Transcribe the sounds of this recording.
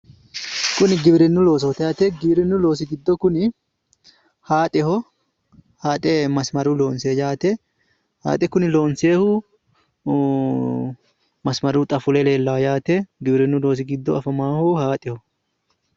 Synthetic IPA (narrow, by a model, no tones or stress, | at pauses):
kʊnɪɡɪbɾɛnːʊlo̞ːs̬ɐt̪ɛaːt̪ɛɡɪbɪɾɛnːʊlo̞ːs̬ɪɡɪd̪ːɔkʊnɪ | haːt̪ʼɪhɔ | haːt̪ʼɛmɐsmɐɾuːlo̞ːnsejaːt̪ɛ | ha̰ːt̪ʼɛkʊnɪlo̞ːnseːhu | mɐsmɐɾuːt̪ʼɐfʊlɛleːlːaːjaːt̪ɛɡɪbɾɛnːʊlo̞ːs̬ɪɡɪd̪ːɔɐfɐmaːhuhaːt̪ʼɪhɔ